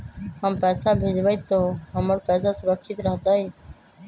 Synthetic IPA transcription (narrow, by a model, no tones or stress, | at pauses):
ɦəmpɛːsabʱed͡ʒʋait̪ːoɦəməɽpɛːsasʊɾəkʰːit̪ɾəɦt̪aj